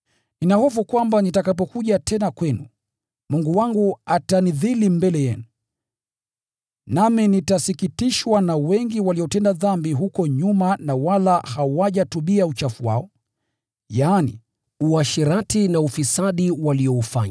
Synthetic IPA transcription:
ninahɔfukwambanitakap̬ɔkuʄatʰɛnakwɛnu | muŋɡuwaŋɡuataniðilimbɛlɛjɛnu | naminitasikitiʃwanawɛŋɡiwaliɔtɛndaðambiɦukɔɲumanawalahawaʄatuɓiaut͡ʃafuwa̰ɔ | jaːnḭ | uaʃiɾatinaufisaɗiwaliɔufa̰ɲa

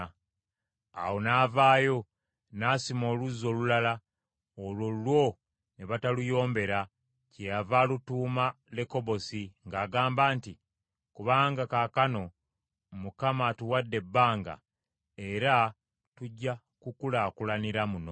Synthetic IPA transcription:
a̰wo̞naːvaːjo̞ | naːsimo̞ːluzo̞lulala | ololwo̞ | neβatalujo̞ːmbe̞ɾa | cejavaːlutuːma | le̞ko̞βo̞siŋɡaːɡaːmbaːnti | kuβaːŋɡakakano̞ | mukamatuwadːe̞bːaːŋɡa̰ | e̞ɾa | tuɟːa | kukulakulaniɾamuno

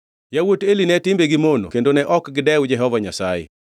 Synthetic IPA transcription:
jawotelinɛtɪmbeɡɪmono̰kendonɛʔɔkɡɪdɛwd͡ʒɛɦɔvaɲasaɛ̰

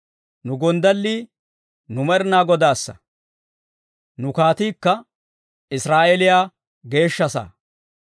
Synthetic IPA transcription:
nʊɡɔnd̪ɐlːiː | nʊmɐɾnaːɡɔd̪aːsːɐ̰ | nʊkaːt̪iːkːɐ | ɪsɾaːʔɛlɪjaː | ɡe̞ːʃːɐsa̰ː

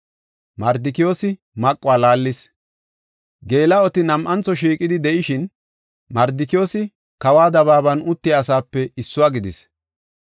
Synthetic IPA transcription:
mɐɾd̪ɪkɪjo̞ːsɪ | mɐkʼːʊwaːlaːlːɪs | ɡe̞ːlɐɔt̪ɪnɐmʔɐnt͡sːɔʃiːkʼɪd̪ɪd̪ɛʔɪʃɪn | mɐɾd̪ɪkɪo̞ːsɪ | kɐwaːd̪ɐβaːbɐnʊt̪ːɪaːsaːpːɛɪsːʊwaːɡɪd̪ɪs

